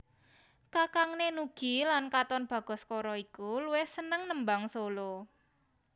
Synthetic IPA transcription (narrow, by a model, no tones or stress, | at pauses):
kakaŋnenuɡ̥i̤lankat̪ɔnb̥ä̤ɡ̥ɔ̤skɔɾɔikuluwɪhsənəŋnəmbaŋsolo